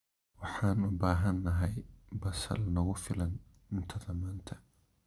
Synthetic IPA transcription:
wɑħɑːnʊbaːɦɐnːɐɦɛjbɐsɐ̰lnɐɣʊfɪlɐn | ɪnt̪ʰɐðɐmaːnt̪ʰɐ̥

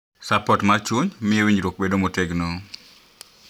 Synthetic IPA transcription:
sapɔtmat͡ʃuɲmɪewiɲɾwok̚bedomoteɡno

